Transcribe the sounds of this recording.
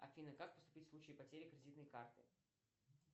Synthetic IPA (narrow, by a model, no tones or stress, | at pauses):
ɐ̰fʲinəkak̚pəst̪ʊ̥pʲitʲfsˠut͡ɕɪjipɐtʲeɾʲɪkɾʲɪdʲit̪nəjkart̪ɨ̰